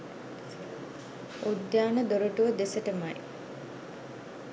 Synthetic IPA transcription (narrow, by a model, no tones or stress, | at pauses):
ud̪jaːnəd̪oɾuʈuʋəd̪esəʈəmaj